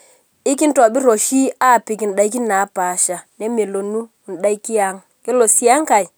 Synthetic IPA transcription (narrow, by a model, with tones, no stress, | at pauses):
ɪ˦kɪ˦n̩˦tɔ˨bɪ˦ɾo˨ʃi˦a˦˨pɪ˨ki˨n̩˨ɗa˨i˦ki˦na˨˦pa˨ʃa˨ne˦me˨lo˨nu˦˨n̩˨ɗa˦i˦ki˦a˨ŋ | kɪ˦lo˨si˦a˦ŋ˦ka˨i˨